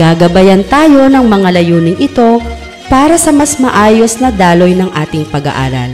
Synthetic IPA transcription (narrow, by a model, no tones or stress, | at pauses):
ɡaːɡɐbɐjɐnt̪aːjo̞nɐŋmɐŋalɐjuːnɪŋɪt̪o̞ | paːɾɐsɐmɐsmɐʔaːjo̞snɐd̪aːlo̞jnɐŋʔaːt̪ɪŋpɐɡɐ̰ʔa̰ːɾɐ̰l